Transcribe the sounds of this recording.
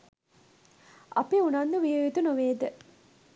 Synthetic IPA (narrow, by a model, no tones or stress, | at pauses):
a̰piunand̪uʋijəjet̪unoʋeːd̪ə